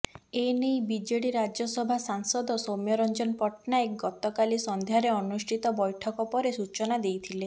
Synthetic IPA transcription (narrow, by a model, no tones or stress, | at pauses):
enejbid͡ʒeɽiɾad͡ʒɔsɔbʱasaŋsɔd̪osomjɔɾɔnd͡ʒɔnpɔʈnaekɡɔt̪ɔkalisɔnd̪ʱeaɾeɔnusʈʰit̪ɔbɔjʈʰɔkɔpɔɾesut͡ʃɔnad̪ejt̪ʰile